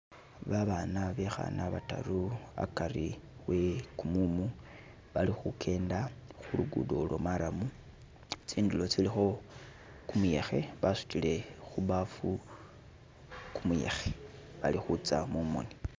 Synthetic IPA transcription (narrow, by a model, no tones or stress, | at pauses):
βaβanaβexa̰naβata̰ɾua̰kaɾiwe̞kumumu | βalixukʰe̞ːndaxuluɡṵdolomaɾamu | t͡siːndulo̞t͡silixo̞ | kumuje̞xe̞βasu̥tile̞xuβafu | kumuje̞̰xeβalixut͡samumo̰ni